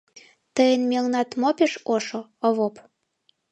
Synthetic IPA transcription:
t̪əjənmelnɑt̪mopeʃoʃoŏβop

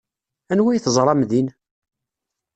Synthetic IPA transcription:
ænwæjθəzˤɾˤɑmðin

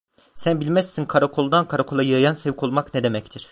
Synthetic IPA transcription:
sænbilʲmɛsːinkʰaɾakʰo̞lˠd̪ankʰaɾakʰo̞lˠajɯjajansɛvkʰo̞lˠmakned̪e̞mɛct̪ʰiɾ̥

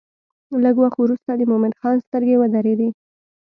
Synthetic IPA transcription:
ləɡwaxt̪wɾust̪ad̪əmomɪnxɑnst̪əɾɡewad̪aɾed̪i

